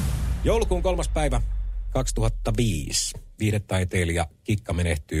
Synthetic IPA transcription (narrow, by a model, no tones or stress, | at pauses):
jouwlukuːŋko̞lmɑspæiʋækɑkst̪uhɑt̪ːɑʋiːsʋiːhɾet̪ːɑit̪eːljɑkikːɑmeneht̪yː